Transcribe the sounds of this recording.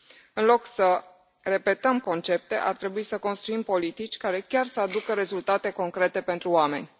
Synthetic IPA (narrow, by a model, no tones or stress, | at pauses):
ɨnlo̞ksə | re̞pe̞t̪əmko̞nt͡ʃe̞p̚t̪e̞̰ʔart̪ɾe̞buisəko̞nst̪ɾuimpo̞lit̪it͡ʃʲkaɾe̞kʲarsəad̪ukəɾe̞zult̪at̪e̞ko̞ŋkɾe̞t̪e̞pe̞nt̪ɾuame̞̰nʲ